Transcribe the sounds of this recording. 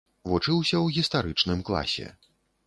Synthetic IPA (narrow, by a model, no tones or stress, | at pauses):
vɔt͡ʂɨwsʲɐwɣʲist̪aɾɨt͡ʂnɨmklˠa̰sʲɛ̰